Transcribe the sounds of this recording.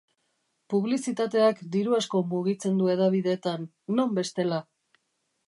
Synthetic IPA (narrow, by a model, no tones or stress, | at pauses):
puβ̞lisit̪at̪e̞akd̪iɾuasko̞muɣit͡se̞nd̪ue̞ðaβ̞iðe̞ːt̪anː | o̞mbe̞st̪e̞la